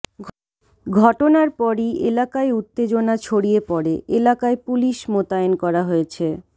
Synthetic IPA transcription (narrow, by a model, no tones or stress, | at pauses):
ɡʱɔʈonaɾpɔɾielakaeut̪ːed͡ʑonat͡ɕʰoɽijepɔɾeʔelakaepuliʃmot̪aonkɔɾaɦoet͡ɕʰe